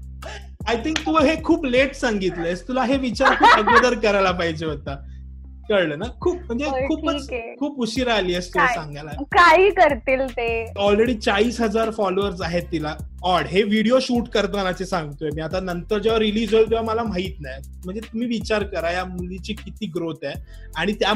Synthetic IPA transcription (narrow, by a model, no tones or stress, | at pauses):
ajt̪ʰiŋk̚t̪uːɦekʰuːpleʈsãŋɡit̪ləest̪ulaɦeʋit͡ɕaɾkʰuːpəɡʋəd̪əɾkəɾajlapaɦid͡ʑeɦot̪a | kəɾləːnakʰuːp̚m̤əɳd͡zeuːpʰət͡skʰuːpuɕiːɾaːliəst̪uasãŋɡalakaɦiːkəɾt̪iːlt̪eɔlɾeɽiːt͡saɭiːsɦəd͡zaɾfɔloʋəɾs̬aɦet̪ːila | ɔɽɦeʋiɽijoɕuːʈkəɾt̪ʋənat͡sesãŋɡt̪oemiːat̪anənt̪əɾd͡ʑaʋəɾːilid͡zəlt̪eʋaməlam̤aɦiːt̪naj | m̤əɳd͡zet̪um̤iːʋit͡ɕaɾkəɾajamulit͡ɕiːkit̪iːɡɾot̪ɛ | aɽ̃it̪ja